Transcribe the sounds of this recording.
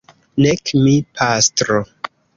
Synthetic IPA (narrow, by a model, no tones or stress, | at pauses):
nekmipʰastɾo